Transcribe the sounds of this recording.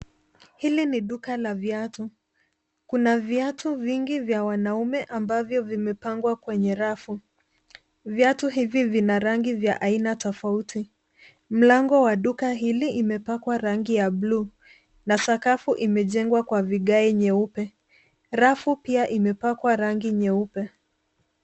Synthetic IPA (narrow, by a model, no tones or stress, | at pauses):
hiliniɗukalavjatu | kunavjatuviŋɡivjawanaumɛʔambavjɔvimɛpaŋɡwakwɛɲɛɾafu | vjatuɦivivinaɾaŋɡivja̰ʔainatɔfautʰi | m̩laŋɡɔwaɗukaɦiliʔimɛpakwaɾaŋɡijabluː | nasakafuʔimɛʄɛŋɡwakwaviɠaɛɲɛupɛ | ɾafupiaʔimɛpakwaɾaŋɡiɲɛupɛ